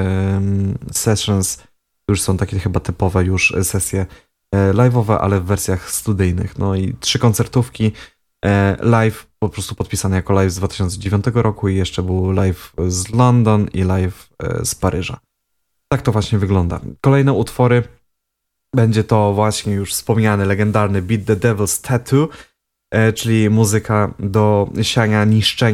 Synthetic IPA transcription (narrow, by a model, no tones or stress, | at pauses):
sɛʂɨns | juʂsɔ̃w̃t̪akʲɛxɘbat̪ɘpɔvɛjuʂsɛsʲjɛ | lajvɔvɛʔa̰lɛvːɛɾsʲjaxst̪ud̪ɘjnɘ̰xnɔitʂɘkɔnt̪sɛɾt̪ufkʲi | lajfpɔpɾɔst̪upɔt̪pʲisanɘjakɔlajvzd̪vat̪ɘ̥ɕɔnt̪sɛd͡ʑevʲjɔ̃nt̪ɛɡɔɾʔɔkuijɛʂt͡ʂɛbɘwlajfzlɔnd̪ɔnḭlajfspaɾɘʐa̰ | t̪ak̚t̪ɔvwaɕɲɛvɘɡlɔnd̪a̰kɔlɛjnɛut̪fɔɾɘ | bɛɲd͡ʑɛt̪ɔvwaɕɲɛjuʂfspɔmɲanɘlɛɡɛnd̪aɾnɘbʲid̪̚d̪ɛd̪ɛvɛlst̪ʰat̪ʰu | t͡ʂɘlʲimuzɘkʰad̪ɔɕaɲaɲiʂt͡ʂɛ